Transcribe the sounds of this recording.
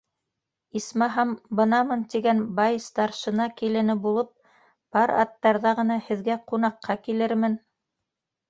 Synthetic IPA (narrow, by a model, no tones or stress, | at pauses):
ismɑɦɑmbɤ̆nɑmɤnt̪iɡænbɑjst̪ɑɾʃɤ̆nɑkilɘ̆nɘbulˠɤp̚ | b̥ɑɾɑ̰t̪ːɑɾðɑʁɤ̆nɑhɘ̆ðɡæqunɑqːɑkilɘɾmɘn